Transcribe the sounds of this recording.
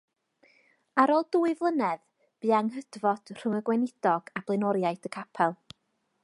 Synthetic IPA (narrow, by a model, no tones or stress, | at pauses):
aɾɔlˠduːɨvlˠənɛð | b̥ɨːaŋɦədvɔd̥r̥ʊməɡwɛnɪd̥ɔɡ̥ab̥lˠenɔɾjajdəkʰapʰɛlˠ